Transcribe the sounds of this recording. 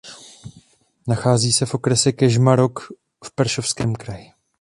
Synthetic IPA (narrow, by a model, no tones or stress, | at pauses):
naxaːziːsɛfʔo̞kɾɛsɛkɛʒmaɾo̞k | fpɛɾʃofskɛːmkɾajɪ